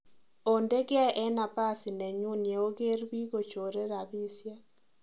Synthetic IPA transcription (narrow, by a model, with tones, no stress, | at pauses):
o˨nde˦ɡɪ˦ɛ˦ʔɛ˦na˨pa˦sɪ˨nɛ˨ɲu˦nje˨o˦ɡe˦ɾbi˦ɡo˨t͡ʃo˨ɾe˦ɾa˨bi˦sja˦